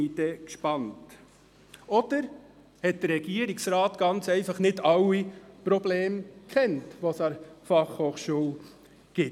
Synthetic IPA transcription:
idɛkʃpɑnt | ɔd̥əɾ | hɛt̚d̥əɾːɛɡ̥iəɾiksɾɑːtɡ̥ɑnt͡sɛɪfɑχnɪdɑwipɾɔbleːmkχɛntʋosɑɾfɑχhoːχʃuːl | ɡ̥ɪ

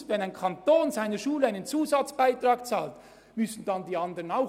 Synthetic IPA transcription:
vɛnaɪnkʰɑntoːnzaɪnəʃuːləaɪnənt͡suːzɑt͡sb̥aɪtʁ̥ɑːkt͡sa̰ːlt | mʏsn̩dɑndiːɑndəʁənaʊ

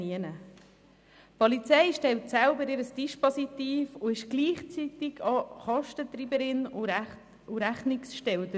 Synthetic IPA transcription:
iənə | pʰɔlit͡sɛɪʃtɛltsæʊbəɾɪɾəsdiʃpɔsit̪iːfʊɪʃɡ̥liːχt͡sit̪ɪɡɑχɑʃtət̪ɾiːbəɾɪnʊ | ʊɾæχnɪksʃtɛldə

